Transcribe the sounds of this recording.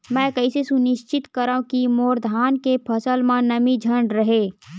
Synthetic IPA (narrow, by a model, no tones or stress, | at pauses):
mɛ̃ːkɐɪsesʊnɪʃt͡ʃɪt̪kəɾaũkimoːɾd̪ʱaːnkepʰɐsəlmãnɐmid͡ʒʱə̃ɳɖɾəɦeː